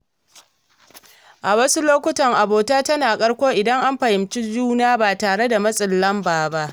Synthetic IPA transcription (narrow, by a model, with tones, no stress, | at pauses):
ʔa˨wɐ˦su˦loː˦kʷʊ˦tɐ˨ŋʔa˨boː˨taː˦tɐ˦naː˨kʼɐ˦ɽkʷoː˦ʔɪ˨dɐ˦ŋʔa˦mɸɐ˨jɪ˨mt͡ʃi˦d͡ʒuː˦naː˦baː˨taː˨ɽe˦da˨mɐ˦sʼɪ˨lːɐ˦mbaː˨ba˦ʔ